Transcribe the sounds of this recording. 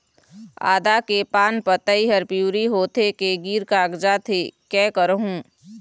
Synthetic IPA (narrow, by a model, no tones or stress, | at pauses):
a̰ːd̪akepaːnpət̪əiɦəɾpjuːɾiɦoːt̪ʰekeɡiːɾkaːɡd͡ʒat̪ʰekɛːkəɾɦũː